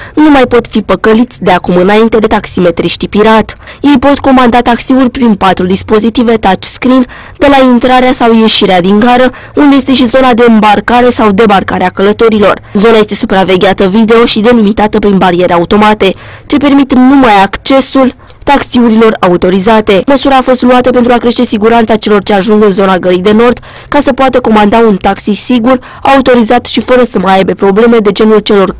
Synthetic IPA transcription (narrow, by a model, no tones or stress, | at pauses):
numajpo̞t̪fipəkəlit̪sʲd̪e̞akumɨnaint̪e̞d̪e̞t̪aksime̞t̪ɾiʃt̪ipiɾat̪je̞jpo̞t̪ko̞mand̪at̪aksiurʲpɾinpat̪ɾud̪ispo̞zit̪ive̞t̪at͡ʃskɾin | d̪e̞laint̪ɾaɾeasawje̞ʃiɾead̪iŋɡaɾə | und̪e̞je̞st̪e̞ʃ̬izo̞nad̪e̞ɨmbarkaɾe̞sawd̪e̞barkaɾeakələt̪o̞ɾilo̞rzo̞naje̞st̪e̞supɾave̞ɡʲat̪əvid̪e̞o̞ʃid̪e̞limit̪at̪əpɾinbaɾie̞ɾeaut̪o̞mat̪e̞t͡ʃe̞pe̞rmit̪numajakt͡ʃe̞sul | t̪aksiuɾilo̞raut̪o̞ɾizat̪e̞məsuɾaːfo̞st̪luat̪əpe̞nt̪ɾuakɾe̞ʃt̪e̞siɡuɾant̪sat͡ʃe̞lo̞rt͡ʃe̞aʒuŋɡɨnzo̞naɡəlijd̪e̞no̞rd̪̥ | kasəpoat̪əko̞mand̪aunt̪aksisiɡur | aut̪o̞ɾizat̪ʃifəɾəsəmajajbe̞pɾo̞ble̞me̞d̪e̞d͡ʒe̞nult͡ʃe̞lo̞r